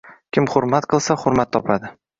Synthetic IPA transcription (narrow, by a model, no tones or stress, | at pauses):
kʲʰɪmχʊɾmat̪qʰɨlˠsaχʊɾmat̪ʰːɒpʰad̪ɪ